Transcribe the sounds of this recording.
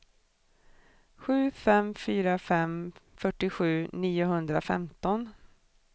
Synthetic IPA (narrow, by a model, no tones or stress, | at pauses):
ɧʉ̟ːfɛmfyːɾafɛmfœʈːɪɧʉ̟ːniːʊɦɵnd̪ɾafɛ̰mt̪ɔn